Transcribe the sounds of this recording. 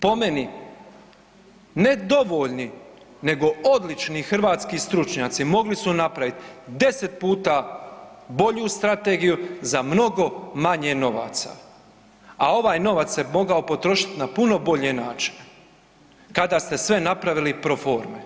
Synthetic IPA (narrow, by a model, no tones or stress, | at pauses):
po̞meni | ne̞d̪o̞ʋo̞ʎni | ne̞ɡo̞o̞d̪lit͡ʃnixr̩ʋaːt̪skist̪ɾut͡ʃɲaːt̪simo̞ɡlisunapɾaʋit̪d̪e̞set̪̚puːt̪a | bo̞ʎust̪ɾat̪e̞ːɡijuzamno̞ɡo̞maɲeno̞ʋa̰ːt̪sa̰ | ao̞ʋaːjno̞ʋat̪semo̞ɡaopo̞t̪ɾo̞ʃit̪napuno̞bo̞ʎenaːt͡ʃi̥ne | kad̪ast̪e̞sʋe̞napɾaʋilipɾo̞fo̞ːɾme